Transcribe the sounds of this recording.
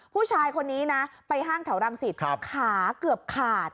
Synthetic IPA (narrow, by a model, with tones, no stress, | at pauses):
pʰuː˥˩t͡ɕʰaː˧jkʰo˧nːiː˦˥na˦˥pa˧jɦaː˥˩ŋt̪ʰɛ˩˦wɾa˧ŋsi˨˩t̪̚kʰaː˩˦kɯ˨˩əp̚kʰaː˨˩t̪̚